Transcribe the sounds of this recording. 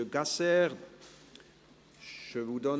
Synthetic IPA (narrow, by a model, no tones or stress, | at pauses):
əɡasɛːʁ | ʒ̥əvud̪ɔn